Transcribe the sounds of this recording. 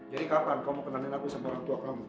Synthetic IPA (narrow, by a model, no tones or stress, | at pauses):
d͡ʒadikapankaumopənaninakusamaoɾaŋt̪uakamu